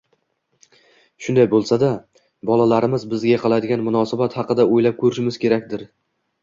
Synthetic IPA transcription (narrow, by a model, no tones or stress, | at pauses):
ʃʊnd̪ajbolˠsad̪a | bɒlˠalaɾɪmɪzbɪzɡʲaqʰɑlˠad̪ɪɡʲanmʊnɒsabat̪hɑqɨd̪aojlap̚kʰɵɾɪʃɪmɪzkʲʰe̞ɾakʲd̪ɪɾ